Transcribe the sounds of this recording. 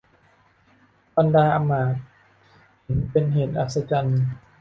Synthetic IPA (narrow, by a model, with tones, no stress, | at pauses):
ba˧ndaː˧ʔa˧maː˨˩˦t̪̚ | he˩˦npe˧nɦeː˨˩˦t̪̚ʔa̰˨˩t̪̚sa˧t͡ɕa˧n